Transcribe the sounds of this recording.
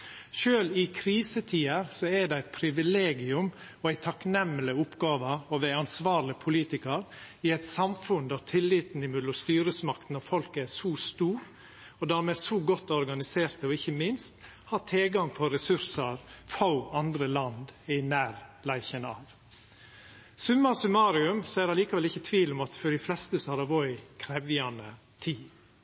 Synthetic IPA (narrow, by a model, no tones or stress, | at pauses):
ʃøːlɪkʰɾiːsət̪ʰiːəɾsɔæɖ̪ɛæɪt̪̚pʰɾɪʋɪleːɡɪʉm | ɔæɪt̪ʰɑknɛmːlɪʊpɡɑːʋəɔʋɛɑnsʋɑːɾlɪpʰʊliːt̪ɪkəɾ | ɪɛɪt̪sɑmfʉnd̪æɾt̪ʰɪlːiːt̪n̩ɪmʉd̪ɔst̪yːɾəsmɑkt̪n̩ɑfɔlkəæsuːst̪uːɾ | ɔd̪æːɾmeːsɔɡɔt̪ːɔɾɡɑnɪseːɾt̪əɔɪçːəmɪnst̪ | hɑːtʰeːɡɑŋpʰɔɾɛsʉɾsəɾfaʊɑnd̪ɾəlɑnd̪ɪnæːɾlæɪçənɑ̰ːʋ | sʉmːɑsʉmɑːɾɪʉmsɔɛd̪ɛɾliːkɑʋɛlɪçːət̪ʰʋiːlʊmɑt̪fɔɖɪflɛst̪əsɔhɑɾɑʋɔʏkʰɾɛʋɪɑnə | t̪ʰiː